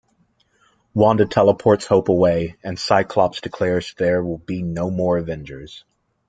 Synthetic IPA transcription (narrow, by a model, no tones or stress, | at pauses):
wɑ̃ndɨtʰɛlˠəpʰɔɹtshoʊpəweɪɨ̃nsaɪkʰl̥ɑpsd̥ɨkʰl̥ɛɹzðə˞wɪlˠbinoʊmɔɹɨvɛ̃nd͡ʒə˞z̥